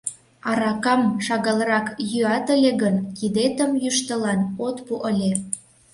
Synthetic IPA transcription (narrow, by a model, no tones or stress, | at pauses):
ɑɾɑkɑmʃɑɣɑlrɑkjyɑt̪əlʲeɣənkid̪et̪əmjyʃt̪əlɑnot̪puʔəlʲe